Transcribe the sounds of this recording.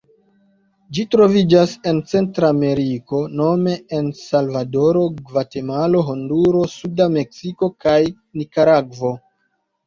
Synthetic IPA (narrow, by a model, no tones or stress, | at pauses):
d͡ʒitɾo̞vid͡ʒase̞nt͡se̞ntɾaːme̞ɾiko̞no̞me̞ensalvado̞ɾo̞ɡvate̞malo̞ɦonduɾo̞sudame̞ksiko̞kaj | nikaɾaɡvo̞